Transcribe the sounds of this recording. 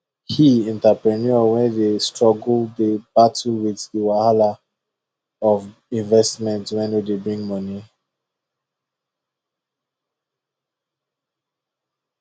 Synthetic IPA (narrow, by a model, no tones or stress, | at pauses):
hiɛ̃ntapɹɛnɔwɛ̃ndestɹɔɡlddeb̥atəwiðiwahala | ɔv | ĩnvɛstmɛ̃ntwɛ̃nodebɹĩŋmɔni